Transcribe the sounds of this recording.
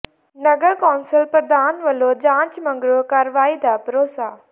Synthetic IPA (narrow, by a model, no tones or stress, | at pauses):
nɐɡəɾkaːnsəlpəɾd̪aːnʋɐlod͡ʑãːɲt͡ɕmɐ̃ŋɡɾokaːɾʋaːid̪aːpɐɾoːsaː